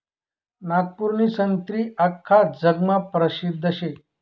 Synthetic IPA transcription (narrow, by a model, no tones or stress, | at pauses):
naɡ̚puɾnisənt̪ɾiːakʰːad͡zəɡmapɾəɕid̪ʱːəɕe